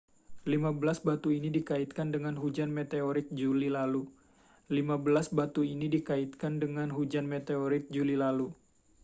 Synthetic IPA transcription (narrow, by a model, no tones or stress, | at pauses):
limabəlasbat̪uinidikaɪt̪̚kandəŋanɦud͡ʒanmet̪eoɾɪt̪̚d͡ʒulilalu | limabəlasbat̪uinidikaɪt̪̚kandəŋanɦud͡ʒanmet̪eoɾɪt̪̚d͡ʒulilalu